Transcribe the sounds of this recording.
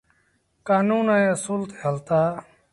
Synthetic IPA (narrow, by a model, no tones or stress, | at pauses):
kaːnuːnajesult̪ʰeɦəlt̪aː